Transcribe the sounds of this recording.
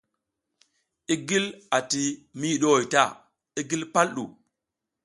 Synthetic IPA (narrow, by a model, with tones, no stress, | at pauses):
i˦ɡi˦la˨ti˨mi˦˨ɗo˦o˨jta˦˨ | i˦ɡi˦lpa˦lɗṵ˨